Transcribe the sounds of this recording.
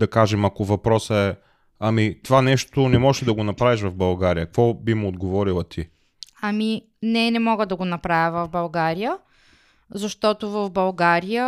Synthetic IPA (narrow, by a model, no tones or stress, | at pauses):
d̪ɐkaʒɛmɐkovɐpɾɔsəɛ | ɐmit̪ovanɛʃt̪onɛmɔʒɛd̪ɐɡonɐpɾaviʃ̬vɐvbɐlˠɡaɾijəkvɔbimʊːd̪ɡovɔɾilˠɐt̪ʰi | ɐmi | nɛnɛmɔɡəd̪ɐɡonɐpɾavʲəvɐvbɐlˠɡaɾijə | zɐʃt̪ɔt̪ovɐvbɐlˠɡaɾijə